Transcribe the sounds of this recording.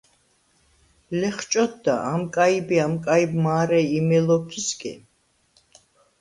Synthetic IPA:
lɛχt͡ʃʼɔt̪̚d̪a̰ʔamkʼaibiamkʼaibmaːɾɛimɛlɔpʰiskʼḭ

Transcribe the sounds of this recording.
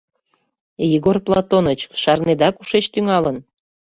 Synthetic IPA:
jiɣorplɑt̪onət͡ɕʃɑrned̪ɑkuʃet͡ɕt̪yŋɑlən

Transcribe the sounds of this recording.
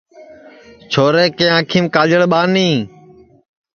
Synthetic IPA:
t͡ʃʰoːɾeːkeːãːkʰiːmkaːd͡ʒəɽɓaːnĩː

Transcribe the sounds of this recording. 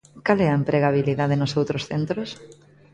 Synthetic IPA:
kalɛɐempɾʔeɣaβ̞iliðaðenʊsowt̪ɾosθent̪ɾos

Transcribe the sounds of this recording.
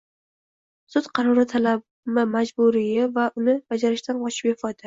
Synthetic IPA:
sʊt̪qʰɑɾɒɾɪt̪ʰalab | mɪmad͡ʒbʊɾɪjavaʔʊnɪbad͡ʒaɾɪʃt̪anqɒʃʰɪ̥pjefɒd̪ɪ

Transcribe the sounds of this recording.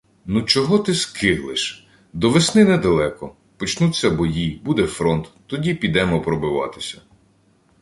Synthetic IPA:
nut͡ʃɔɦɔt̪ɪskɪɦlˠɪʃ | d̪ɔʋesnɪnɛd̪ɐlˠɛkɔ | pɔt͡ʃnut͡sʲːɐbɔjibud̪ɛfɾɔnt̪ːɔdʲipʲid̪ɛmɔpɾɔbɪʋɑ̰t̪ɪ̥sʲɐ

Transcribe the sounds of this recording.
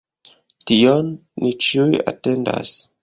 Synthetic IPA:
tionːit͡ʃiuja̰te̞nda̰s

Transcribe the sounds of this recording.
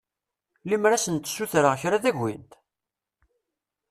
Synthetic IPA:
limɾæsənt̪suθɾaçɾaðæʝːint̪

